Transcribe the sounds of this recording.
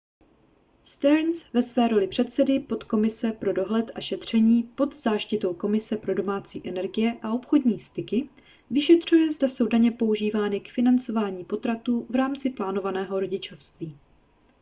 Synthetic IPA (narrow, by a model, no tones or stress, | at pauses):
st̪ɛɾnsvɛsvɛːɾo̞lɪpr̝̥ɛt̪sɛdɪpo̞t̪ko̞mɪsɛpɾo̞do̞ɦlɛt̪ʔaʃɛt̪r̝̥ɛɲiːpo̞d̪zaːʃcɪt̪o̞wko̞mɪsɛpɾo̞do̞maːt͡sḭːʔɛnɛɾɡɪjɛʔao̞pxo̞dɲiːst̪ɪkɪ | vɪʃɛt̪r̝̥ujɛzdaso̞wdaɲɛpo̞uʒiːvaːnɪkfɪnant͡so̞vaːɲiːpo̞t̪ɾat̪uːvɾaːmt͡sɪplaːno̞vanɛːɦo̞ɾo̞ɟɪt͡ʃofst̪viː